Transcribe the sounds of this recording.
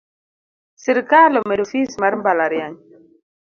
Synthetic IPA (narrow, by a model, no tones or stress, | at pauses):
siɾkalomedufismaɾmbalaɾjaɲ